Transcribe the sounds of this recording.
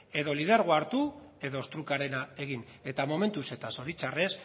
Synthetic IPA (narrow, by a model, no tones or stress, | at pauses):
e̞ðo̞lið̞eɾɣ̞oaɾt̪ue̞ðo̞st̪ɾukaɾe̞nae̞ɣ̞ine̞t̪amo̞me̞nt̪use̞t̪aso̞ɾit͡ʃare̞s